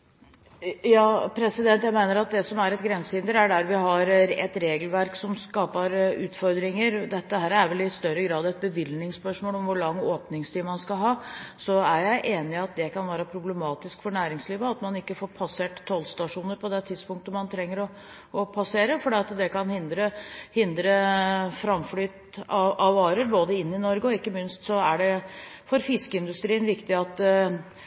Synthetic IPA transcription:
jɑːpʰɾɛsɪd̪ɛnt̪jæɪmæɪnəɾɑt̪̚d̪ɛsɔmæɾɛt̪ɡɾɛnsəhɪnd̪əɾæɖæɾʋɪɦɑɾɛt̪ɾeːɡəlʋæɾksɔmskɑːpəɾʉːt̪fɔɾd̪ɾɪŋəɾd̪ɛt̪ːəɦæːɾæɾʋɛlɪst̪œɾːəɡɾɑːd̪ɛt̪̚bəʋɪlnɪŋspœʂmoːlɔmʋʊɭɑŋːoːpnɪŋst̪ʰiːmɑnskɑɦɑːsɔæɾjæɪʔeːnɪɑt̪̚d̪ɛkɑnʋæːɾəpʰɾʊblɛmɑːt̪ɪskfɔɳæːɾɪŋsliːʋəɑt̪mɑnɪkːəfoːɾpʰɑseːʈt̪ʰːɔlst̪ɑʂuːnəɾpɔd̪ɛt̪ʰɪd̪spʊŋk̚t̪əmɑnt̪ʰɾɛŋːəɾɔ | ɔpʰɑseːɾəfɔɖiːɑt̪d̪ɛkɑnhɪnd̪ɾəhɪnd̪ɾəfɾɑmflyːt̪ | ʔɑʋɑːɾəɾboːd̪əɪnːɪnɔɾɡəɔɪkːəmʏnst̪sɔæɖɛfɔɾfɪskəɪnd̪ʉst̪ɾiːənʋɪkt̪ɪɑt̪ː

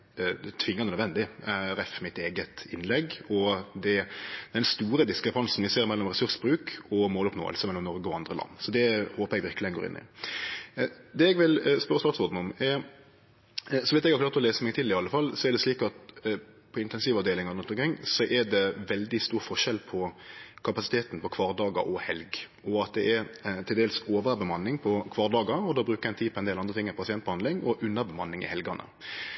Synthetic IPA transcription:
t̪ʰʋɪŋːɑnənœd̪ʋɛnd̪ɪæɾɛfmɪt̪eːɡət̪ɪnːlɛɡɔd̪ɛd̪̥ɛnst̪uːɾəd̪ɪskɾɛpʰɑnsn̩ʋɪseːɾmɛlːɔmʁɛsʉɾsbɾʉːkɔmoːlɔpno̰ːə̰lsəmɛlːɔmnɔɾɡəɔɑnd̪ɾəlɑ̰nːsɔd̪ɛhoːpəɾɛɡʋɪɾklɪənɡo̰ːɾɪ̰nːɪ̰ | d̪ɛɛɡʋɪlspœɾəsmɑɾksɔːd̪n̩ɔmɛɾ | sɔʋɪst̪ɛɡhɑɾklɑʁt̪ɔleːsəmɛɡt̪ʰɪlɪɑlːəfɑlsɔɛɖ̪ɛsliːkɑt̪ | pʰɔɪnt̪ɛnsiːʋɑʋd̪eːlɪŋɔd̪əʉnt̪ːmkʰɪŋːsɔʔɛɖɛʋɛld̪ɪst̪uːɾfɔʂɛlpʰɔkʰɑpɑsɪt̪ʰeːt̪n̩pɔkʰʋɑːʁd̪ɑːɡə̰ɾʔɔhɛlɡ | ɔɑt̪̚d̪ɛʔɛɾt̪ʰɪld̪eːlsoːʋəbɛmɑnːɪŋpʰɔkʰʋɑːʁd̪ɑːɡəɾɔd̪ɑːbɾʉːkəɛnt̪iːpʰɔɛnd̪eːlɑnd̪ʁət̪ɪŋːəpɔpʰɑsɪɛnt̪bəhɑnɪŋɔʔʉnːəɾbɛmɑnːɪŋɪ̰hɛlɡɑnə̰

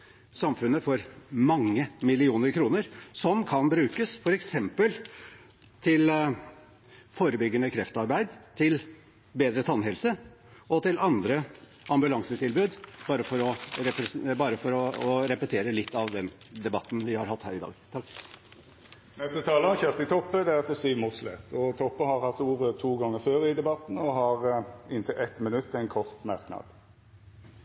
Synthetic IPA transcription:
sɑmfʉnːəfɔɾmɑŋːəmɪlɪuːnəɾkʰɾuːnəɾsɔmkʰɑnbɾʉːkəsfɔɾɛksɛmpəl | t̪ʰɪl | foːɾəbʏɡːənəkʰɾɛft̪ɑɾbæɪd̪t̪ʰɪl | beːd̪ɾət̪ʰɑnɦɛlsəʔɔt̪ɪlʔɑnd̪ɾə | ʔɑmbʉlɑŋsət̪ʰɪlbʉːd̪b̥ɑːɾəfɔɾɔɾɛpbɑːɾəfɔɾɔɔɾɛpət̪ʰeːɾəlɪt̪ːɑʋd̪ɛn | d̪ɛbɑt̪ːn̩ʋɪhɑɾɦɑt̪ːhæ̰ːɾɪd̪ɑ̰ːɡt̪ʰɑkː | nɛst̪ət̪ʰɑːləɑçøːʁt̪ɪt̪ʰɔpːəd̪ɛɑt̪ɛsyːʋmuːʁslɛ̰t̪ːɔt̪ʰɔpːəhɑɾhɑt̪ːuːʁət̪ʰuːɡɑŋːəføːɾɪd̪ɛbɑt̪n̩ɔɦɑʁɪnt̪ʰɪlʔɛt̪mɪnʉt̪ʰːɛɪnkʰɔʁt̪mɑʁknɑ̰d̪

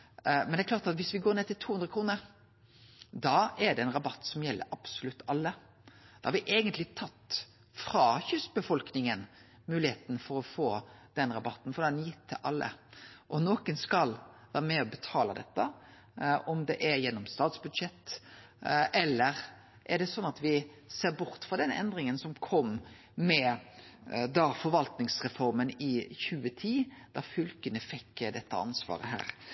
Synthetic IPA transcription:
mɛnd̪ɛklɑːɾt̪ɑt̪ʋɪsʋɪɡoːɾneːt̪ɪlt̪ʰuːʉnɾəkʰɾuːnəɾ | d̪ɑɛɖɛnɾɑbɑt̪ːsɔmjɛlːə̰ɾɑb̥sʊlʉt̪ːɑlːə | d̪̥ɛhɑɾʋɪʔeːɡənt̪lɪt̪ʰɑt̪ː | fɾɑːçʉsbəfɔlknɪŋən | mʉːlɪheːt̪n̩fɔɾɔfoːd̪̥ɛnɾɑbɑt̪ːn̩fɔd̪ɛnjɪt̪ʰːɪ̰lʔɑ̰lːə̰ʔɔnoːkənskɑlʋæːɾəmɛɔbət̪ʰɑːləd̪ɛt̪ːə | ʔɔmd̪ɛʔæɾjɛnːɔmst̪ɑːt̪sbʉd̪ʂɛt̪ː | ɛlːəʁ | ʔæɖɛsɔnːɑt̪ʋɪ | seːɾbʊɾt̪fɾɑd̪ɛnɛ̰nd̪ɾɪŋənsɔmkʰɔmː | mɛ | d̪ɑfɔɾʋɑlt̪nɪŋsʁɛfɔɾmənɪçʉːət̪ʰiːd̪̥ɑfʉlkənəfɛkːd̪ɛt̪ːə̰ɑ̰nsʋɑ̰ːɾə̰ɦæ̰ːɾ

